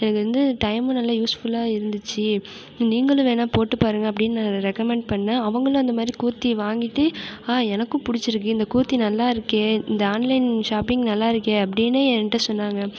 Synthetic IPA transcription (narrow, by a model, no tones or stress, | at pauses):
ɛnɐkːɯɾɐnd̪ɯʈɐɪmõnɐlːaːjuːsfʊlaːɪɾɯnd̪ɯt͡ʃːɯ | niːŋɡɐɭɯ̃ʋeːnaːpoːʈːɯpaːɾɯŋɡɐp̬ːɐɽɪnːnaːŋɡɾɛkːɐmɛɳɖ̚pɐɳːɐɐʋɐŋɡɐɭõɐnd̪ɐmaːd̪ɾikuːɾt̪ːiʋaːŋɡɪʈːɯaːɛnɐkːʊ̃pʊɽɪt͡ʃːɪɾɯk̬ːɯɪnd̪ɐkuːɾt̪ːinɐlːaːɪɾɯkːeːɪnd̪ɐaːnlɐɪnʃaːpɪŋɡnɐlːaːɪɾɯkːeɐpːɐɽɪneːɛnʈːɐsɔnːaːŋɡɐ